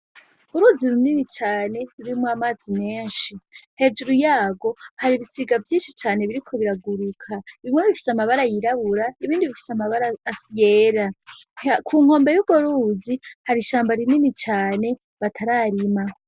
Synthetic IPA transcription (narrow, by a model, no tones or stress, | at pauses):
uɾuːziɾuninit͡ʃaːne̞ɾuɾimuamaːzime̞ːnʃihe̞d͡ʒuɾujaːɡo̞haɾiβisiɡavjiːnʃit͡ʃaːne̞βiɾikʰo̞βiɾaɡuɾukʰaiβimŋe̞βifi̥samaβaɾajiɾaβuɾaiβiːndiβifi̥samaβaɾaːsije̞ːɾa | kʰuːŋ̥o̞ːmbe̞juɡoɾuːzihaɾiʃaːmbaɾininit͡ʃaːne̞ | βatʰaɾaɾima